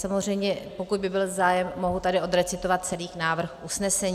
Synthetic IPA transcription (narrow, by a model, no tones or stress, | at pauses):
samozr̝ɛjmɲɛpo̞kud̪bɪbɪlzaːjɛmːo̞ɦut̪adɪʔo̞dɾɛt͡sɪt̪o̞vat̪̚t͡sɛliːxnaːvr̩xʔusnɛsɛɲ